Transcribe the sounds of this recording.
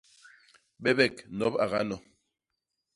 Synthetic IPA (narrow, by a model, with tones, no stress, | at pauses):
ɓɛ˦bɛ˦˨knɔ˨˦pa̰˨ɣa˦nɔ˨